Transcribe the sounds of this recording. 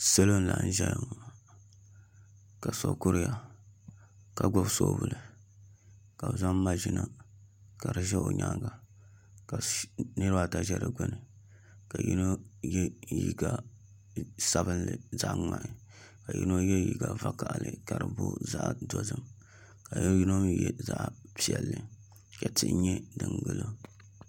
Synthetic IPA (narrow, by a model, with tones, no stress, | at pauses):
se˦lo˦n˦la˨˦n˦ʒɛ˦lŋ˨ | ka˨so˨kʊ˦ɾɪ˦ja˨ | ka˨ɡo˦bso˦˨bu˨lɨ˨ | ka˨bza˦mː˦a˦ʒɪ˦na˦ka˨ɾɨ˨ʒɛ˦o˨ɲaː˦ɡa˨ | ka˨nɨ˦ɾɨ˦ba˦˨ta˦ʒɛ˦ɾɨ˨ɡʊ˦nɨ˨ | ka˨ji˦no˦jɛ˦ji˦ɡa˦ | sa˦βɨ˦nlɨ˨za˦ʔŋa˨ʔɪ˨ | ka˨ji˦no˦jɛ˦ji˦ɡa˨va˦ka˨ʔlɨ˨ka˨ɾɨ˨bo̰˦za˦ʔdo˦zɨ˦m | ka˨jji˦no˦jɛ˨za˦ʔpi˨ɛ˨lːɨ˨ | ka˨tɨ˦ʔɲɛ˦dɨ˨ŋɡɨ˦lo˦